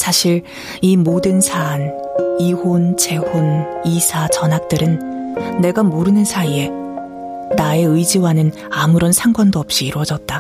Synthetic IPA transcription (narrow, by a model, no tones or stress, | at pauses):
sʰaɕʰiɾ | imodɯnsʰan | ihont͡ɕe̞honisʰat͡ɕʌnɦak̚t͈ɯɾɯnːe̞ɡamoɾɯnɯnsʰaie̞ | nae̞ɯjd͡ʑiwanɯn | amuɾʌnsʰaŋɡwandoʌp̚ɕ͈iːɾwʌd͡ʑʌt̚t͈a